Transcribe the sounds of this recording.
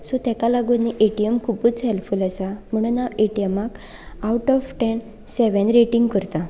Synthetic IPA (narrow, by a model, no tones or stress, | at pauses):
sɔt̪ɛ̃kalaɡunːiʔeʈijəmkʰuput͡sɦelfulasam̤əɽ̃unːaeʈijəmak | awʈɔfʈen | sɛʋẽnɾeʈiŋɡkəɾt̪a